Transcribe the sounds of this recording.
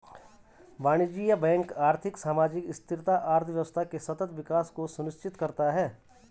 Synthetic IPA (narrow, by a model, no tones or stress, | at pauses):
baːɽ̃id͡ʒijabɛ̃ːŋkaːɾt̪ʰɪksaːmaːd͡ʒɪkɪst̪ʰɪɾt̪aʔaːɾt̪ʰʋjʋəst̪ʰakesɐt̪ət̪ʋɪkaːskosʊnɪʃt͡ʃɪt̪kɐɾt̪aɦɛː